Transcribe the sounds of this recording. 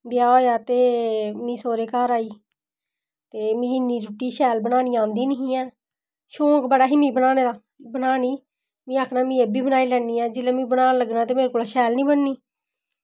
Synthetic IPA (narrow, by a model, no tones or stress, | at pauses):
b̪ɪjaːoːjaːt̪eːmĩːsoːɾeːkaːɾaːiː | t̪eːmĩːɪnːiːd͡ʒʊʈːiːʃɛːlbənaːniːãːnd̪iːnɪɦĩːɛː | ʃõːkbəɽaːɦiːmĩːbənaːneːd̪aː | bənaːniː | mĩːaːkʰnaːmĩːeːbiːbənaːiːlɛːniːɛːd͡ʒɪlẽːmĩːbənaːləɡnaːt̪eːmeːɾekoːlaːʃɛːlnĩːbənniː